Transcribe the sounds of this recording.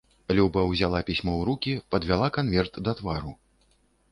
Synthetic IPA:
lʲubɐwzʲalˠapʲisʲmɔwɾukʲipɐd̪vʲalˠakanvʲɛrt̪d̪ɐt̪vaɾu

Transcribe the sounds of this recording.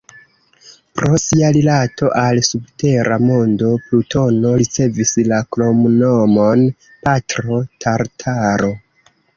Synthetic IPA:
pɾo̞siaɾilatʰo̞ʔalsubte̞ɾʔamo̞ndo̞pluto̞no̞ɾit͡se̞vislaklo̞mnomon | patɾo̞tʰaɾtʰaɾo̞

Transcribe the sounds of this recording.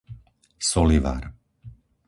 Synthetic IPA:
sɔliʋa̰ːɾ

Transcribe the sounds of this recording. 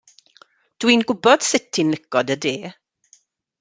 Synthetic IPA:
d̥winɡʊbɔd̥sɪtʰinlɪɡɔdədeː

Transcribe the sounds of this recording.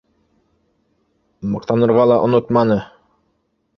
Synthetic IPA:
mɤqt̪ɑnɤ̆ɾʁɑlˠɑʔŏnot̪mɑnɤ

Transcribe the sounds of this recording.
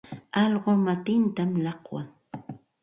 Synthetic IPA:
ɑʎɢomat̪ɪnt̪amlɑqwa̰ŋ

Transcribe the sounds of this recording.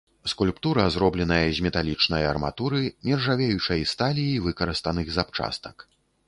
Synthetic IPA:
skulʲpt̪uɾɐzɾɔblʲɛnɐjɐzʲmʲɛt̪alʲit͡ʂnɐjɐrma̰t̪uɾɨmʲɛrʐavʲejut͡ʂɐjist̪alʲiivɨkɐɾɨst̪ɐnɨɣzapt͡ʂa̰st̪ɐ̥k

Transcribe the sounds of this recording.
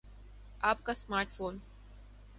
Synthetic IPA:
aːp̚kasmaːɾʈfoːn

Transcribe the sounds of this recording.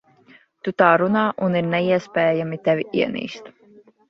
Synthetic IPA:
t̪ut̪aːɾunaːʔuniɾnɛiɛspʲɛːjamit̪ɛvʲiʔiɛnḭːst̪

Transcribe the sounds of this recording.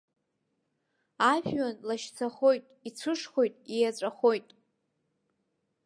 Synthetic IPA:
aʒᶣɥanlaʃt͡sʰaχo̞jtʼit͡sʷʰɨʂχo̞jtʼijat͡sʷʼaχo̞jtʼ

